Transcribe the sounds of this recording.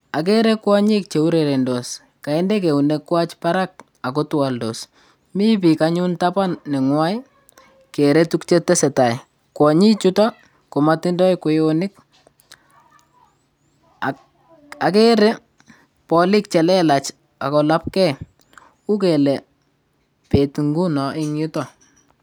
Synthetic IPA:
a˨k̬e˦ɾe˦kwɔ˦ɲɪ˦k̚t͡ʃe˨u˦ɾe˨ɾe˨ndɔ˨s | ka˨ɛ˦ndɛ˦k̬e˨u˨ne˦kːwa˦t͡ʃpa˦ɾa˦k̚ | a˨k̬o˦twa˨ldɔ˨s | mi˦p̬i˨kaɲu˦ntapa˦nːɛ˨ŋwa˦j | ke˨ɾe˦tu˦kt͡ʃe˦tɛ˦sɛ˨ta˨j | kwɔ˨ɲɪ˦t͡ʃuta˦ | ko˨ma˦tɪ˦ndɔ˦jko˨jo˦nɪ˦k̚ | a˨ke˦ɾɛ˦ | pɔlɪ˦k̚t͡ʃɛ˨lɛ˦la˨t͡ʃ | a˨kɔ˨la˦p̚kɛ˦ | u˦k̬ɛ˨lɛ˨ | pe˨tŋɡu˦nɔ˨ʔɪ˦ŋjʊ˦tɔ˨

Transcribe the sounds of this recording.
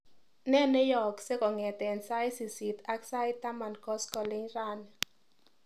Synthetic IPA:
nɛ˦ne˦jɔ˨kse˦kɔ˨ŋɛ˨t̪ɛ˨nsa˦jsi˨si˨t̪a˦ksa˦ɪ˦t̪a˦ma˨nkɔ˦skɔ˨lɪ˦ŋɾa˦˨n

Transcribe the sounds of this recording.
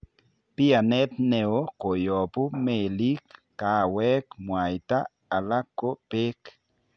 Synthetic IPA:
pi˦a˨nɛ˦t̪ne˨o˦ko˨jɔ˨pu˦me˨li˦kː | a˨˦wɛ˦kmwa˨jt̪a˦ | a˨la˦kːo˦pe˦k

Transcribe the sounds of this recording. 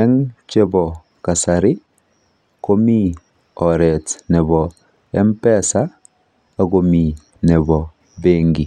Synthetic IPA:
ɛ˦ŋt͡ʃe˦bɔ˨ | ka˨sa˨ɾi˦ | ko˦mi˦ | ɔ˨ɾɛ˨tnɛ˨βɔ | ɛ˦mpɛ˦sa˦ | a˨ɡo˨mi˨ | nɛ˨bɔ˨ | beŋɡi˨

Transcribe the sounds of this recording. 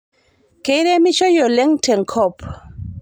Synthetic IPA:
ke˦ɾe˦mi˦t͡ʃɔ˦jɔ˨lɛ˦ŋtɛ˨ŋkʰɔ˦p

